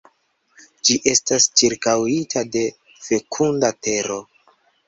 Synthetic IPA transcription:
d͡ʒiʔe̞stast͡ʃiɾkawitʰade̞ | fe̞kʰundate̞ɾo̞

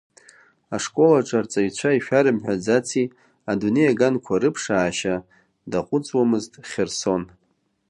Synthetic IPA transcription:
aʂkʼo̞laʈ͡ʂʼart͡sʼait͡ɕʷʰaiʃᶣaɾɨmħᶣad͡zat͡sʰi | adune̞jaɡankʷʰaɾɨpʰʂaːʃa | daqʷʼʊt͡sʼwamɨztʼχʲerso̞n

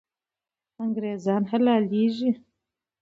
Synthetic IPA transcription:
ɐŋɡɾeːzaːnɦɛlaːliːʒi

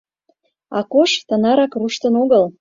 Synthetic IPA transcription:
ɑ̰koʃt̪ənɑɾɑkruʃt̪ə̆noɣəl

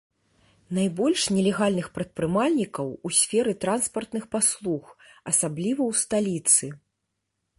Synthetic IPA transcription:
najbɔlʲʂnʲɛlʲɛɣalʲnɨxpɾɐt̪̚pɾɨmalʲnʲikɐwusʲfʲɛɾɨt̪ɾanspɐrt̪nɨxpaslˠuxɐsablʲivɐwst̪alʲit̪sɨ

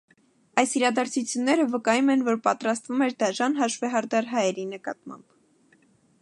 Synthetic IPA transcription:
ɑjsiɾɑd̪ɑɾt͡sʰut͡sʰjunːɛɾəvəkɑjumɛnvɔɾpɑt̪ɾɑst̪vumɛɾd̪ɑʒɑnɦɑʃvɛɦɑɾd̪ɑɾɦɑjɛɾinəkɑ̰t̪mɑ̰mb̥

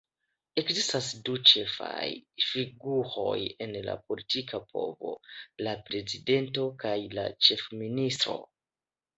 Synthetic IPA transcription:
e̞kzistasdut͡ʃe̞fa̰jfiɡuho̞̰je̞nla̰po̞litikʰapʰo̞̰vo̞̰lapɾe̞zide̞nto̞kajla̰t͡ʃe̞fministɾo̞̰

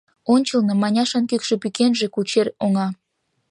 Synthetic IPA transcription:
onʲt͡ɕəlnɤmɑnʲɑʃɑnkykʃe̽pykenʒekut͡ɕeroŋɑ

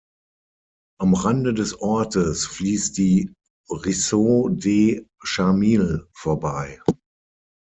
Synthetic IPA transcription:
ʔamʁandədɛsʔɔɐtəsfliːstd̥iː | ʁisodeːʃamiːlfoːɐbaɪ

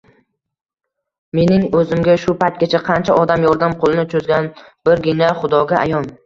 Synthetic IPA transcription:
me̞nɪŋɵzɪmɡʲaʃʊpajt̪̚ɡʲat͡ʃʰaqʰɑnt͡ʃʰaʔɒd̪amjɒɾd̪amqʰolˠɪnɪt͡ʃʰozɡʲanb̥ɪɾɡʲɪnaχʊd̪ɒɡʲaʔa̰jɒn

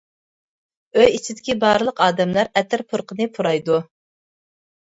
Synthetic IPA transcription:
øjit͡ʃʰid̪ɪkʲibɑːɾɨlˠəqɑːd̪ɛmlæɾɛt̪ʰɪɾpʰuɾqʰənɨpʰuɾɑjd̪u

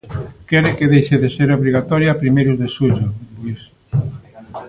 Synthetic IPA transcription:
kɛɾekeðejʃeðeseɾoβɾiɣat̪ɔɾjapɾimejɾuzðesuʎobis

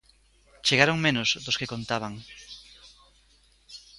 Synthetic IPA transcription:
t͡ʃeɣaɾoŋmẽnozðoskekont̪aβ̞aŋ

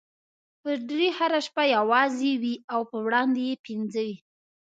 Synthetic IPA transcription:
pəɖɾehaɾaʃpajawɑzewiawpəwɽɑnd̪ejepɪnzəwi

